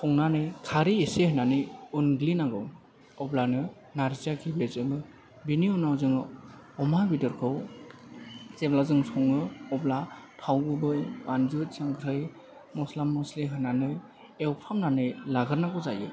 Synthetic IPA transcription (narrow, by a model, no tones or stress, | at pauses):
sʰɔŋnanɯjkʰaɾiesehɯnanɯjunɡlinaŋɡɯw | ɔblanɯ | naɾzakʰiblezɯmɯ | biniɔnawzɯŋɯ | ɔmabidɯɾkʰɯw | t͡ʃeblazɯŋsɔŋɯɔblatʰawɡɯbɯjanzɯt̚saŋkʰɾɯj | mɔslamːɔsliɦɯnanɯ | ewpʰamnanɯjlaɡɯɾnaɡɔzajɯ̰